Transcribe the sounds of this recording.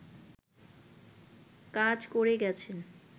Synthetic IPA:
kãd͡ʑkoɾeɡɛt͡ɕʰen

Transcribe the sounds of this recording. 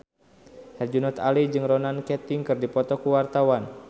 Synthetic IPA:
hɛrd͡ʒunɔt̪alid͡ʒɨŋrɔnankɛt̪iŋkɨrdipɔt̪ɔkuwart̪awan

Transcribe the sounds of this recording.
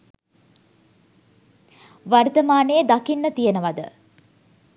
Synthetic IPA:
ʋart̪əmaːnejəd̪akinːət̪ijenəʋɐd̪ə̰

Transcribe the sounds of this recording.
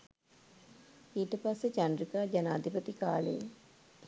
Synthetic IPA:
iːʈəpasːet͡ʃanrikaːd͡ʒanaːd̪ʱipət̪ika̰ːlə̰jḛ

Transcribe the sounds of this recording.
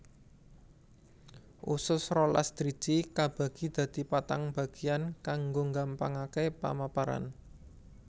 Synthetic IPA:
ʔusʊsɾɔla̰st̪ɾi̥d͡ʒ̥ikab̥ä̤ɡ̥i̤d̪̥ä̤d̪̥i̤pat̪aŋb̥a̤ɡ̥i̤ankaŋɡoŋɡampaŋakepa̰mapaɾa̰n

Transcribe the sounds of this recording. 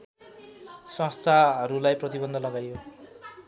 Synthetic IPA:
sʌ̃st̪ʰaʌɾulajprʌt̪ibʌnd̪ʱʌlʌɡajo

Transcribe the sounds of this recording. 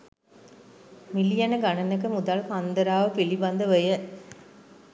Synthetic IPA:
milijɐnəɡanɐnək̬əmud̪alkand̪əɾaːʋəpilibɐnd̪əʋəjə

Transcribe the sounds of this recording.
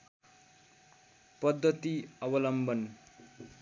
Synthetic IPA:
pʌd̪ːʌt̪iʌbʌlʌmbʌn

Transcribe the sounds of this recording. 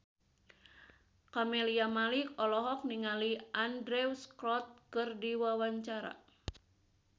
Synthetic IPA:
kɔmɛliamalikɔlɔɦɔk̚niŋaliʔandɾɛusklɔt̪̚kɨrdiwawaɲt͡ʃaɾa̰

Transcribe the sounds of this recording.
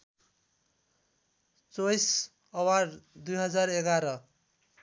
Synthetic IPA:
t͡sojs | ʌwaɾd̪ujɦʌd͡zareɡaɾʌ

